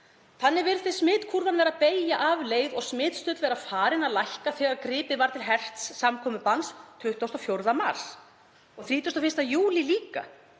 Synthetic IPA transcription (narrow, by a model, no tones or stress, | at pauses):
θanːɪvɪɾðθɪ̥smɪːt̪kʰuɾvanvɛːɾapeːjaʔavleːjðɔɣsmɪːt̪st̪ʏːt̪lvɛːɾafaːɾɪnaðlajhkaθɛːɣaɾkɾɪːpɪvaɾ̥t̪ʰɪlɦɛr̥t̪sːamkʰɔːmʏpanst̪ʰʏht̪owst̪ɔfjowɾðama̰ɾ̥s | ɔɣθɾiːt̪jʏwst̪ɔfɪst̪ajuːliliːka̰